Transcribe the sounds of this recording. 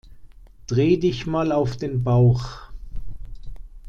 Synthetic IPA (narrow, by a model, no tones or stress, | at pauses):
d̥ʁeːdɪçmaːlaʊfd̥eːnbaʊx